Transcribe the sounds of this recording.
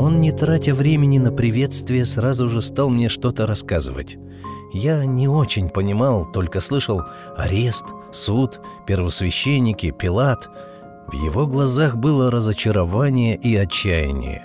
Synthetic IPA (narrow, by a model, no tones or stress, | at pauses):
o̞nnʲɪt̪ɾatʲəvɾʲemʲɪnʲɪnəpɾʲɪvʲe̞t̪st̪vʲɪjəsrazʊʐɨst̪alˠmnʲe̞ʂt̪o̞t̪əɾɐskazɨ̰və̰tʲ | janʲɪo̞t͡ɕɪnʲpənʲɪmalˠt̪o̞lʲkəslˠɨʂəlˠ | ɐɾʲe̞st̪ | sut̪ | pʲɪrvəsvʲɪɕːenʲːɪkʲɪpʲɪlˠat̪ | vjɪ̰vo̞ɡlˠɐzaxbɨlˠəɾəzət͡ɕɪɾɐvanʲɪjəʔiɐt͡ɕːæjɪ̰nʲɪ̰jə̰